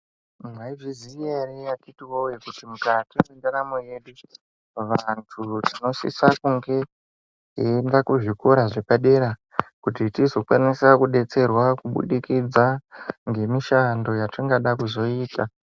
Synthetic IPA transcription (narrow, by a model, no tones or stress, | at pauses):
mwaivizierijatitiwojekutimukatiwendanamoje̞ɗu | ʋantʰutino̞sḭsakuŋɡe̞ | endakuʐikoɾaʐepaɗe̞ɾa | kutitizo̞kwanisakuɗe̞t͡se̞rwakuɓṵɗikid͡zaŋɡe̞miʃando̞jatiŋɡaɗakuzo̞iːta